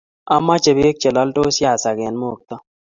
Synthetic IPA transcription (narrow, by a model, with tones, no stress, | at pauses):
a˦ma˦t͡ʃe˨be˦k̚t͡ʃe˨lɔ˦lto˦sja˦˨sa˨ɡɛ˨nmo˦o˨k̚t̪ɔ˦